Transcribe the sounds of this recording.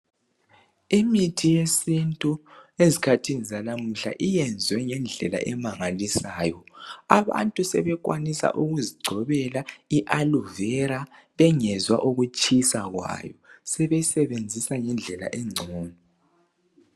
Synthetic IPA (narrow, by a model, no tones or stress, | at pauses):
imitʰijesintʼuezikʰatʰinizalam̩ɬa̰ʔijɛnd͡zʱwɛŋɛnd͡ɮʱɛla̰ʔɛmaŋalisaːjɔaβa̰ntʼusɛβɛkʼwa̰nisa̰ʔuɣuziɡ͡ǀʱɔβɛlaiʔaluvɛɾa | βɛŋɛzwa̰ʔuɣut͡ʃʼisaɣwa̰jɔsɛβɛsɛβend͡zʱisaŋɛnd͡ɮʱɛla̰ʔɛŋ͡ǀʱɔːnɔ